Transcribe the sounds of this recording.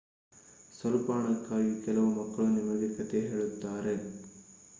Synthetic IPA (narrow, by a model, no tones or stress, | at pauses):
sɐlupaːɳɐkːaːjikɛlɐʋumɐkːɐɭunimɐɡekɐt̪eɦeːɭut̪ːaːɾe̞